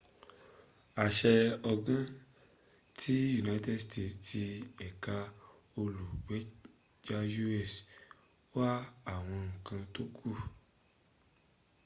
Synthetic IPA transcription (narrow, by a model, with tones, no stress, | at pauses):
a˨ʃɛ˧ɔ˧ɡã˦ | tʰi˦ju˨na˧˦tɛ˦˨ste˦˨tti˧ɛ˨ka˧ | o˧lu˨wɛ˨˦ | d͡ʒa˦ju˦ɛ˦˨s | wa˦a˨w̃ɔ̃˧ŋ̩˨kã˧to˦kʰu˦˨